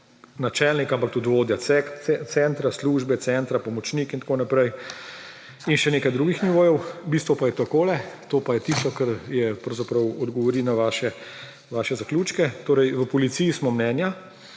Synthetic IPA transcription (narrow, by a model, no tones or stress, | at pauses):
nat͡ʃɛlnikampakt̪ud̪ʋoːd̪jaɛkɛt̪sɛnt̪ɾasluːʒbɛt̪sɛnt̪ɾapɔmɔt͡ʃniːkint̪akonapɾɛj | inʃɛneːkajd̪ɾuːɡixniʋoːjɛwbist̪ʋɔpajɛt̪akoːlɛt̪oːpajɛt̪ist̪ɔkɐɾjɛpɾɐwzapɾɐwɔd̪ɡɔʋɔɾinaʋaːʃɛ | ʋaːʃɛzaklʲuːt͡ʃkɛt̪oːɾɛjʋəpɔlit̪siːjismɔmnɛːnja